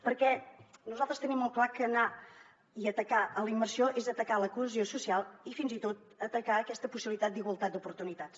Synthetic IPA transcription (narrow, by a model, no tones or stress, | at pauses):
pəɾkɛnuzalˠt̪ɾəst̪ənimːɔlˠklakəna | iət̪əkaʔələimːərsioʔezət̪əkaləkuəzjosusialˠifinzit̪ot̪̚ | ət̪əkaəkɛst̪əpusiβlit̪at̪̚d̪iɣwəlˠt̪at̪̚d̪upuɾt̪unit̪att͡s